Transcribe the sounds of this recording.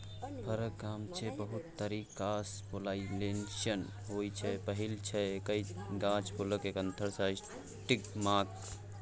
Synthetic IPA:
pʰəɾəkɡaːmt͡ʃʰebəɦut̪ːəɾikaspolaːilenʃən | ɦojt͡ʃʰɛpəɦilt͡ʃʰɛkəiɡãːt͡ʃpʰoləkekənt̪ʰəɾsa | ʈikmaːk

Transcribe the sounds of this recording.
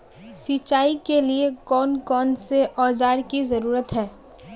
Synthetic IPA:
siːt͡ʃaːikeliekɔːnkɔːnseʔɔːd͡ʒaːɾkizɐɾuːɾət̪ɦɛː

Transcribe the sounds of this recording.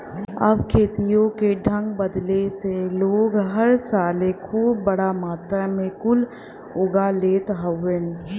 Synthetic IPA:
ə̰b̚kʰeːt̪ijõkeɖʱə̃ŋɡbəd̪leseloːɡɦəɾsaːlekʰuːbːəɽamaːt̪ɾamẽkʊl | oːɡaleːt̪ɦəwen

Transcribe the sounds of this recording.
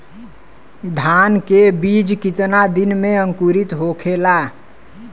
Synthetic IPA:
d̪ʱankebid͡ʒkit̪nad̪inmeə̃ŋkuɾit̪ɦokʰela

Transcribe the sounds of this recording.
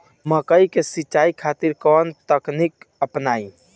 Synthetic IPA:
məkəikesit͡ʃːaikʰat̪iɾkɔnt̪əknikəpnaːi

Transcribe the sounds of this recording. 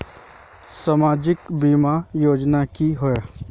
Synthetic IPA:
samaːd͡ʒɪkbimajoːd͡ʒnakiɦʊe

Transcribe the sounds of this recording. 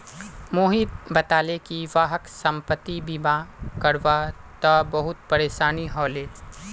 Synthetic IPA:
moːɦit̪bɐt̪aːlekiʋaːɦəksɐ̃mpət̪ːibiːmãkɐɾʋat̪abɐɦʊt̪̚pɐɾeːʃaːniɦɔːleː

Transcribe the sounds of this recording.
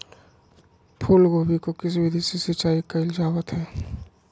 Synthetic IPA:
pʰuːlɡoːbikokɪs̬ibʱid̪isisɪt͡ʃaːikɐɪld͡ʒaːwət̪ɦɛː

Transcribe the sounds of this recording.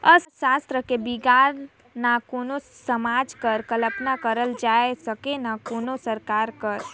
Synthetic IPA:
əʃast̪ɾəkebiɡaɾ | nakonosəmaːd͡ʒkəɾkələpnakəɾəld͡ʒaesəkenakoːnosəɾkaːɾkəɾ

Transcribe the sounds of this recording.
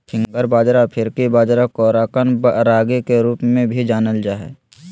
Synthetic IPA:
pʰɪ̃ŋɡəɾbaːd͡ʒɾapʰɪɾkibaːd͡ʒɾakɔːɾaːkənɾaːɡekeɾuːpmẽbʱid͡ʒaːnəld͡ʒaːɦɛ̰ː

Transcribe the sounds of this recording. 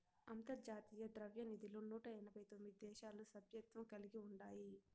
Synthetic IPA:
ɐnt̪ɐd͡ʒaːt̪iːjɐd̪ɾɐʋjɐnid̪iloːnuːʈɐɛnɐbɐjt̪omːid̪id̪ɛːʃaːlusɐbʱjɐk̚t̪ʋɐmkɐliɡiuɳɖaːji

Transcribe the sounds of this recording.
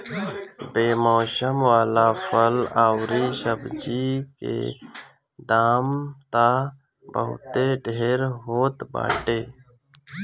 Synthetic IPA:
beːmoːsəmwaːlaːfʰəlaːwɾisəbd͡ʒikḛː | d̪aːmt̪a | bə̰ɦṵt̪eɖʱeːɾɦoːt̪ba̰ːʈeː

